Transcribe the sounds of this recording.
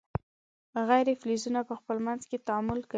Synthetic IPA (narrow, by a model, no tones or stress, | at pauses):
ɣajɾeflizunapəxpəlmanzket̪aɑmʊlka